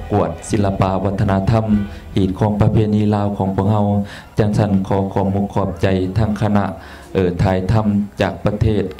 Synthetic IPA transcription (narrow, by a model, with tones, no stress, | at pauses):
ku˨˩ət̪̚si˨˧˦nlːa˧pa˧wa˧˥t̪ʰːa˧na˧˥t̪ʰa˧˥˨m | hiː˨˩t̪̚kʰɔː˧˥ŋpa˧pʰeː˧niː˧˥˨laː˧˥˨wkʰɔː˨˦ŋpʰu˧˩ək̚ha˧˥˨w | t͡ɕaː˧ŋsa˧˥˩nkʰɔː˨˦kʰɔː˧˦mu˧˥kʰːɔː˧˩p̚t͡ɕa˧˦jt̪ʰaː˧˩ŋkʰa˧na˧ʔ | ʔɤː˨˩t̪ʰaː˨˩jt̪ʰa˧˥˨mt͡ɕaː˨˩k̚pa˧t̪ʰeː˥˩t̪̚